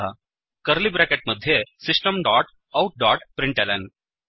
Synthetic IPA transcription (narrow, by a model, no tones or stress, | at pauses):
a̰ | kəɾlibɾɛkeʈ̚məd̪ʱːjesisʈəmɖaːʈ | awʈ̚ɖaːʈpɾiɳʈɛlɛɳɖ